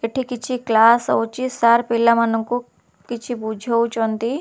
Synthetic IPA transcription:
eʈʰikit͡ʃʰiklaːsowt͡ʃisaɾpilːamɐnuŋku | kit͡ʃʰibud͡ʒʱout͡ʃont̪i

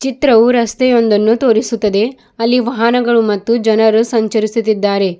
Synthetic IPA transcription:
t͡ʃit̪ɾɐʋuɾɐst̪ejo̞nd̪ɐnːut̪o̞ːɾisut̪ːɐd̪e̞ | ɐlːiʋɐɦɐnɐɡɐɭumɐt̪ːud͡ʒɐnɐɾusɐɲt͡ʃɐɾisut̪ːid̪ːaːɾe̞

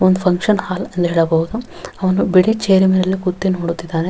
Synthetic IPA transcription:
ond̪upʰɐŋkʂɐnhaːlɐnt̪ɐɦeːɭɐbɐɦud̪u | ɐʋɐnubiɽit͡ʃeːɾimiɾɐlːikut̪ːinoːɽut̪ːid̪ːaːne

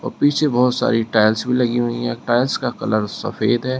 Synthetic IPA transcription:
ɔːɾpiːt͡ʃʰebɔːt̪sa̰ːɾiʈaːɪlsbʱilɐɡiɦʊĩɦɛ̃ʈaːɪlskakɐləɾsɐ̰feːd̪ɦɛː

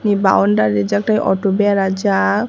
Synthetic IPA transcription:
niba̰ɔnɖaɾid͡ʒak̚ʈajʔɔ̰ʈobɛjaɾad͡ʒa

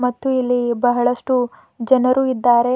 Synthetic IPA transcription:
mɐt̪ːuilːibɐɦɐɭɐʂʈu | d͡ʒɐnɐɾuːid̪ːaːɾe̞

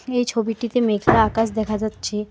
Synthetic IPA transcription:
ejt͡ɕʰobiʈit̪emekʰlaakaʃ̬d̪ɛkʰad͡ʑatːɕʰe

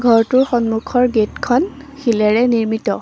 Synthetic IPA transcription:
ɡʱɔɹtʊɹxɔnmukʰɔɹɡetkʰɔnxilɛɹɛniɹmitɔ

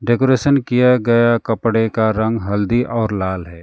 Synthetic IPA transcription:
ɖeːkoːɾeːʃənkijaɡɐjakɐpɽekaɾɐ̃ŋɡɦɐld̪iʔɔːɾlaːlɦɛː

